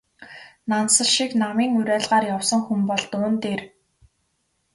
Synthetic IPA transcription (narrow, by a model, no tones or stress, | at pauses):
nansə̆ɮʃiknamiːŋuɾæːɮʁaːrjawsɞ̆ŋxumpɔɮt̪ʊːnt̪eːr